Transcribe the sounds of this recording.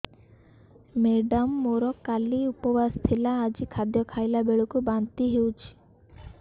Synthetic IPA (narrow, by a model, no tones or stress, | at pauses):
meɖɔmːoɾɔkaliupɔbast̪ʰilaːd͡ʒikʰad̪jɔkʰajlabeɭukubant̪iɦewt͡ʃʰi̥